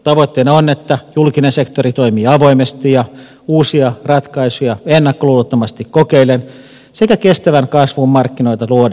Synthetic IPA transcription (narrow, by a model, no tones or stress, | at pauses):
t̪ɑʋot̪ːeneonːet̪ːæjulkinensekt̪orit̪oimiːɑʋoimest̪ijɑ | uːsiɑrɑt̪kɑisujɑenːɑkːoluːlut̪ːomɑst̪ikkokeilen | sekækest̪æʋæŋkɑsʋummɑrkːinoit̪ɑluod